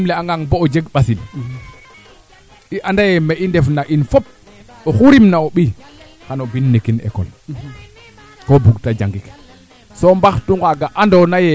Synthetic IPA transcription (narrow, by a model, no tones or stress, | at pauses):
lɛaŋɡaŋboːd͡ʒeɡɓasil | iʔandajɛmɛʔindɛfnaʔinfɔp̚ | oxuɾimnaoɓi | kanobinːekinɛ̰kɔ̰l | kobuɡtad͡ʒaŋɡik | sɔmbaxtuŋɡaɡaʔandɔnajɛ